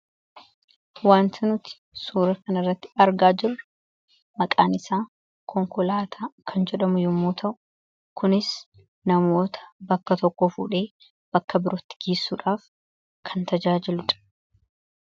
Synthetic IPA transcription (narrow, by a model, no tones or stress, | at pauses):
waːnt̪ʰɪnʊt̪ɪ̥suːɾɐkɐnɐrːɐt̪ːɪ̥ɐɾɡaːd͡ʒɪrɐ | mɐkʼaːnɪsaː | kʰɔŋkɔlaːt̪ʰaːkʰɐnd͡ʒɛᶑɐmʊjʊmːoːt̪ʰɐʔʊ̥ | kʊnɪs | nɐmo̞ːt̪ʰɐ̥bɐkːɐt̪ɔkːɔfṵːᶑe̞ː | b̥ɐkːɐbɪɾɔt̪ːɪ̥ɡ̥eːsːuːᶑaːf | kʰɐnt̪ɐd͡ʒaːd͡ʒɪlʊᶑɐ̥